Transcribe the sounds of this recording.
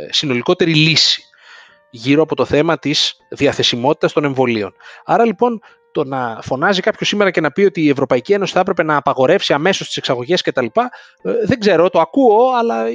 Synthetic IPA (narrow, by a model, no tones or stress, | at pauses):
sino̞liko̞t̪e̞ɾilisi̥ | ʝiɾoɐpo̞t̪o̞θe̞mɐt̪izðiɐθe̞simo̞t̪i̥t̪ɐst̪o̞ne̞ɱvo̞lio̞̰nɐɾɐlipo̞n | t̪o̞nɐfo̞nɐzikɐpço̞simeɾɐce̞nɐpio̞t̪iːe̞vɾo̞pɐicie̞no̞si̥θɐepɾe̞pe̞nɐːpɐɣo̞ɾe̞fsiɐme̞so̞st̪i̥se̞ksɐɣo̞ʝe̞sce̞t̪ɐlipɐ | ðe̞ŋɡze̞ɾo̞t̪o̞ɐkuo̞ɐlɐ